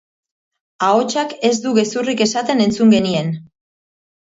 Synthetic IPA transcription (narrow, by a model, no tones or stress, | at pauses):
ao̞t͡ʃake̞zd̪uɣe̞surike̞sat̪e̞ne̞nt͡suŋɡe̞nie̞n